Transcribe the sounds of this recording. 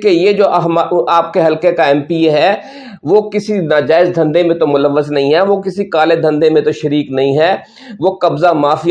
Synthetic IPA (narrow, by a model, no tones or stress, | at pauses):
kejed͡ʒoːʔɦmaaːp̚keɦɐlkekaɛ̃ːmpiːɦɛː | ʋokɪsinaːd͡ʒaːɪzd̪ʱɐ̃nd̪emẽt̪omʊləʋːəznɐɦĩɦɛʋokɪsikaːled̪ʱɐ̃nd̪emẽt̪oʃɐɾiːknɐɦĩɦɛː | ʋokɐbzamaːfi